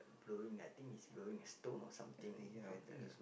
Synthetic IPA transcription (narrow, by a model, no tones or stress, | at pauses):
bloɹĩŋa̰jt̪ĩŋisbloĩŋəstõnɔ̰sã̰mt̪ĩŋfat̪ə̰